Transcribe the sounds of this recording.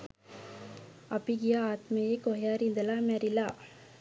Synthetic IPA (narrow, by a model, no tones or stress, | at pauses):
ɐpiɡijaaːt̪mɐjekoɦjaːɾind̪ɐlaːmɛɾilaː